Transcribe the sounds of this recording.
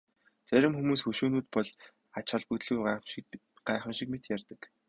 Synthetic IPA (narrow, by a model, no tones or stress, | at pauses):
t͡sæɾʲɪ̆mxumuːsxɵʃuːnuːt̪pɔɮ | at͡ɕχɔ̆ɮput̪ɮuj | ɢ̥aːχə̆mʃĭk̚met̪jærʲt̪ə̆k